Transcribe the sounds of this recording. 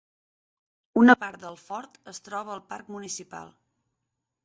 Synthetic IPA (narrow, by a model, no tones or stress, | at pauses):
unəpaɾt̪̚d̪əlˠfɔɾt̪əst̪ɾɔβ̞əːlˠparkmunisipa̰lˠ